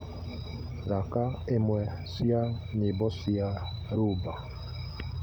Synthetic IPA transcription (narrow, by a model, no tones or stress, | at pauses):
ɾakaemwɛ | sia | ɲɪbɔsiaɾuba